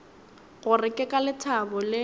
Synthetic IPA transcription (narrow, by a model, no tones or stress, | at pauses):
ɣʊrɪkʼɪkʼalɪtʰabʊlɪ